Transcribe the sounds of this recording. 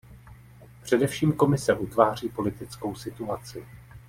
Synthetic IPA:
pr̝̥ɛdɛfʃiːmko̞mɪsɛʔut̪vaːr̝iːpo̞lɪt̪ɪt͡sko̞wsɪt̪uat͡sɪ

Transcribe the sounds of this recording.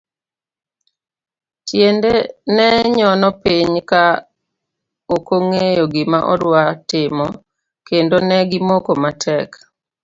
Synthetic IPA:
tjendenɛɲɔnɔpiɲka | okoŋejoɡɪmaʔɔ̰ɾwatɪmɔ | kendonɛɡɪmokomatʰɛk

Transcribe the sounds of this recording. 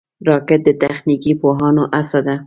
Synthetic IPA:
ɾɑkɪt̪̚d̪ət̪axnikipoɦɑnoʔasɑd̪a

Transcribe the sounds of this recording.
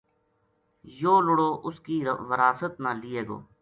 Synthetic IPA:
joːlʊɽoːʔʊskiːʋəɾaːsət̪nãːlɪːeːɡo̰ː

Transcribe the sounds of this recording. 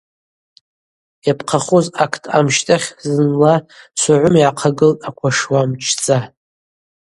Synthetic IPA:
japʰqʰaχozakʰtʰʼa̰mʃtʼaχʲzɨnlasʷaʕʷʊmjaʕaqʰaɡɨltʼakʷʰaʂwamt͡ʃʰt͡sʼa

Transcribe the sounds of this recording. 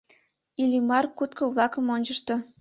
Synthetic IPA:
ilʲimɑrkut̪kŏβlˠɑkə̆monʲt͡ɕə̆ʃt̪ŏ

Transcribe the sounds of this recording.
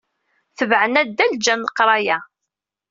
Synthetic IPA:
θəvʕənæd̪ːæld͡ʒænːəqːɾˤɑjæ

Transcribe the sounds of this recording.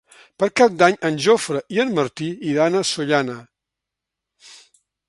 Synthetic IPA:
pəɾkap̚d̪aɲənʲʒofɾəʔiənməɾt̪iiðanəsuʎanə

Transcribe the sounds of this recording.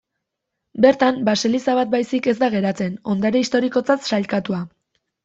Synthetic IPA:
be̞ɾt̪ambaselisaβat̪̚bajsike̞zd̪aɣ̞e̞ɾat͡se̞no̞nd̪aɾe̞ist̪o̞ɾiko̞t͡sat̪ʃalkat̪ua

